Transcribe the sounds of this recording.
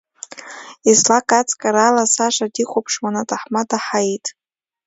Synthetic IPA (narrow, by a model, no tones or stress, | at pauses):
izlakʼat͡sʼkʼaɾalasaʃʷadiqʰʷʼopʰʂwanatʼaħmadaħaitʼ